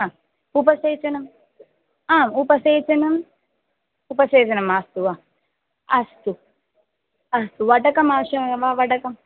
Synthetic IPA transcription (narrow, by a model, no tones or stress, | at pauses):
aː | upɐseːt͡ʃɐnɐm | aːmupɐseːt͡ʃɐnɐm | upɐseːt͡ʃɐnɐmast̪uʋa | ɐst̪u | ɐst̪uʋɐʈɐkɐmaːʋɐʃɐmʋaʋɐʈɐkɐm